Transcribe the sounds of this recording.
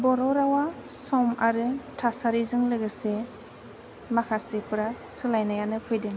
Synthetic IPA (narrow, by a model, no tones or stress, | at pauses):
bɔɾɔɾawasɔmaɾɯtʰasaɾizɯŋlɯɡɯse | makʰasepʰɯɾasɯlajnajanɯpʰɯjdɯŋ